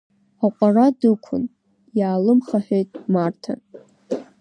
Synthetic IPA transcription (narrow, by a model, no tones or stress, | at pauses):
aqʷʼaradɨkʷʰʊ̰n | jaːlɨmχaħᶣejtʼmartʰa̰